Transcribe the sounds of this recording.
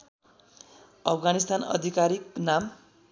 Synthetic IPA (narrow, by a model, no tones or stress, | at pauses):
ʌpʰɡanist̪anʌ̰d̪ʱikaɾiknam